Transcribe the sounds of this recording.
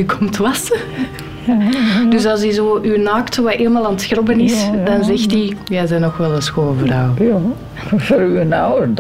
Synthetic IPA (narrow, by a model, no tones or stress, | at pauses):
ykʰɔmtəʋɑsə | d̥ʏsɑlˠsizoːʔynaːktʋaʔeːlˠmaːlˠaːnətxrɔbənɪssdɑnzɛxtijazɛnɔxʋɛlˠəsxoːəvraw | vəɾyənawə